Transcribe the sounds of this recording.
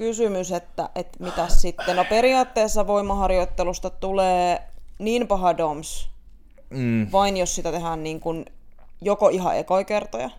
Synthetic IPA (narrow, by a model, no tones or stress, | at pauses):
kysymyset̪ːæ̰ʔet̪mit̪æssit̪ːenopeɾiɑːt̪ːeːsːɑʋoimːɑhɑrjoit̪ːelust̪ɑt̪uleːniːnpɑɦɑdoms̩ | ʋɑinjossit̪æt̪eɦæːnniːŋkun | jokoiɦɑ̰ʔḛkoikert̪ojɑ̰